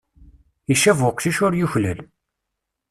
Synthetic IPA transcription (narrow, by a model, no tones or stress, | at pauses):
iʃævʊqʃiʃʊɾjuçlæl